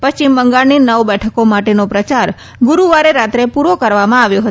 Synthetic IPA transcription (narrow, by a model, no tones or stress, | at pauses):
pəst͡ʃimːəŋɡaɭninəʋbɛʈʰəkomaʈenopɾət͡ʃaɾ | ɡʊɾuʋaɾeɾat̪ɾepuɾokəɾʋamãaʋjoɦə